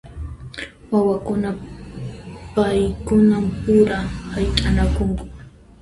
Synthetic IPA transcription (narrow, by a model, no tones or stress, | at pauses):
wawakʊna | pajkʊnampʊɾahajqʼanakʊŋkʊ